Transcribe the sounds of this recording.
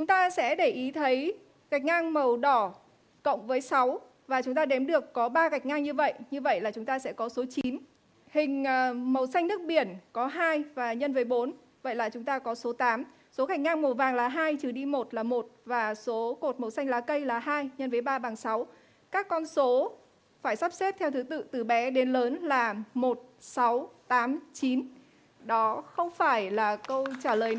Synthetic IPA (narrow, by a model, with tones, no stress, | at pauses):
t͡ɕʊ˨˦ŋ͡mt̪aː˧sɛ̰˧˥ɗə˧˩jʔi˨˦t̪ʰə˨˦j | ɣa˨˩jk̟̚ŋaː˧ŋmə˨˩wɗɔ˧˩ | kə̰˧˨wŋ͡mvəː˨˦jsa˨˦w | vaː˨˩t͡ɕʊ˨˦ŋ͡mt̪aː˧ɗɛ˨˦mɗɨ˨˩əkːɔ˨˦ɓaː˧ɣa˨˩jk̟̚ŋaː˧ŋɲɨ˧və̰˧˨jɲɨ˧və̰˧˨jlaː˨˩t͡ɕʊ˨˦ŋ͡mt̪aː˧sɛ̰˧˥kɔ˨˦so˨˦t͡ɕi˨˦n | hï˨˩ŋ̟ː˨˩mə˨˩wsa˧jŋ̟nɨ˦˥ək̚ɓi˧˩ənkɔ˨˦ɦaː˧jvaː˨˩ɲə˧nvəː˨˦jɓo˨˦n | və̰˧˨jlaː˨˩t͡ɕʊ˨˦ŋ͡mt̪aː˧kɔ˨˦so˨˦t̪aː˨˦m | so˨˦ka˧˩jk̟̚ŋaː˧ŋmo˨˩vaː˨˩ŋlaː˨˩ɦaː˧jt͡ɕɨ˨˩ɗi˧mo˨˩t̚laː˨˩mo˨˩t̚vaː˨˩so˨˦ko˨˩t̚mə˨˩wsa˧jŋ̟laː˨˦kə˧jlaː˨˩ɦaː˧jɲə˧nvəː˨˦jɓaː˧ɓaː˨˩ŋsa˨˦w | kaː˦˥kːɔ˧nso˨˦ | faː˧˩jsa˦˥p̚se˦˥t̚t̪ʰɛ˧wt̪ʰɨ˨˦t̪ɨ̰˧˨t̪ɨ˨˩ɓɛ˨˦ɗe˨˦nləː˨˦nlaː˨˩mo˨˩t̚sa˨˦wt̪aː˨˦mt͡ɕi˨˦n | ɗɔ˨˦xə˧wŋ͡mfaː˧˩jlaː˨˩kə˧wt͡ɕaː˧˩ləː˨˩j